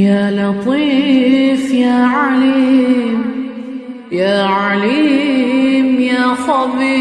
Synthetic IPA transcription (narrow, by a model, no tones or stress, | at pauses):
jaːlɑt̪ˤiːfjaːʕaliːm | jaːʕaliː | mjaːfɑbi